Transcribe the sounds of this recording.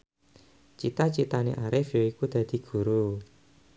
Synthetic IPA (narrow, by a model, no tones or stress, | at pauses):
t͡ʃit̪at͡ʃit̪anḛʔaɾɪfjoikud̪̥ä̤d̪̥i̤ɡ̥ṳɾu